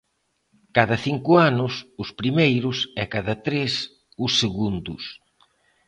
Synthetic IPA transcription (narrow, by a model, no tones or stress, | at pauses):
kaðɐθiŋkʊanʊsʊspɾimejɾʊsɛkaðɐt̪ɾes | ʊsːeɣund̪ʊs